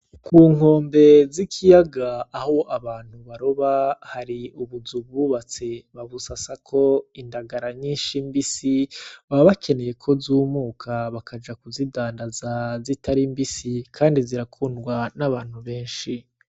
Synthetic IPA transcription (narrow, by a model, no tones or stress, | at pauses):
kʰuːŋo̞ːmbe̞zikʰijaɡaːho̞ʔaβaːn̥huβaɾo̞βahaɾiuβuzuβɡuːβat͡se̞βaβusasakʰo̞indaɡaɾaɲiːnʃimbisiβaβakʰe̞ne̞je̞kʰo̞zuːmuːkʰaβakʰad͡ʒakuzidaːndazazitʰaɾimbisikʰaːndiziɾakʰuːndɡwanaβaːn̥huβe̞ːnʃi